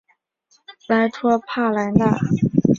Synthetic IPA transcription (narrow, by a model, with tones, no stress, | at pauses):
la˧˥ɪt̪ʰwɔ˥pʰa˥˩la˧˥nt̪a˥˩